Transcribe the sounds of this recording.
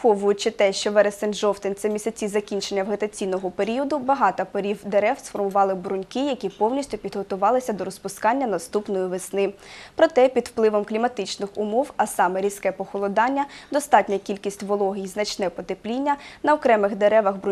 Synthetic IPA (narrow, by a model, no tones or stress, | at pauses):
ɔʋʊjʊt͡ʃɪt̪ɛʃt͡ʃɔʋɛɾesɛnʒɔft̪ɪnt̪sʲɛmʲisʲɐt͡sʲizɐkʲinʲt͡ʃenʲːɐwɦɐt̪ɐt͡sʲinɔɦɔpeɾʲiɔd̪ʊbɐɦɑt̪ɐpɐɾʲiwd̪eɾɛwsfɔrmʊʋɑlˠɪbɾʊnʲkɪjɐkʲipɔwnʲisʲtʲʊpʲid̪ɦɔt̪ʊʋɑlˠɪsʲɐd̪ɔɾɔspʊskɑnʲːɐnɐst̪upnɔjiʋɪsnɪpɾɔt̪ɛpʲid̪wplˠɪʋɔmklʲimɐt̪ɪt͡ʃnɪxʊmɔwɐsɑmɛɾʲiskɛpɔxɔlˠɔd̪ɑnʲːɐd̪ɔst̪ɑtʲnʲɐkʲilʲkʲisʲtʲʋɔlˠɔɦʲijiznɐt͡ʃnɛpɔt̪eplʲinʲːɐnɐɔkɾɛmɪxd̪eɾɛʋɐɣb